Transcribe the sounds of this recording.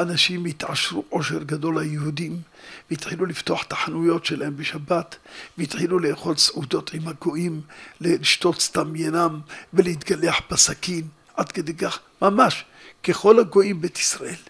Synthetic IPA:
anaʃimjit̪ʕaʃɾuʔo̞ʃe̞ɾɡado̞lhajehud̪imveit̪ħilulift̪oaħt̪ḁħanujo̞tʃelahembeʃabat̪vehit̪ħiluleeːχo̞lsʕud̪o̞t̪imhaɡo̞ʔimleliʃto̞tst̪amjanamvelehit̪ɡaleaħbasakin | ʕad̪ked̪ejkaχ | mamaʃ | keχo̞laɡo̞ʔimbet̪i̥sɾaʔel

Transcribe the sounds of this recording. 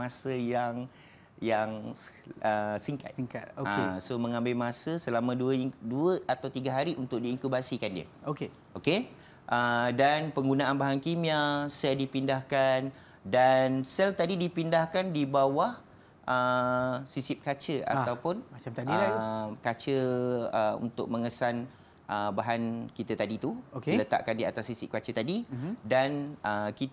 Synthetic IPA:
masəjaŋ | jaŋ | əsiŋka̰t̪iŋkat̪̚oaesomə̃ŋãmbɪlmasəsəlamə̃duəduəʔat̪awt̪iɡaɦaɾiʔunt̪ʊk̚diːŋkubasikandiə̰oke | ʔoke | ʔədanpəŋɡunaʔanbaɦaŋkimĩasɛldipindahkan | dansɛlt̪adidipindahkandibawah | ʔəsisip̚kat͡ʃəa̰t̪awpʊnmat͡ʃamt̪adəkat͡ʃəəṵnt̪ʊ̰ʔ̚mə̃ŋəsan | ʔəbaɦankit̪at̪adit̪uokelət̪a̰ʔkandiat̪asːisip̚kat͡ʃət̪adidanəkit̪

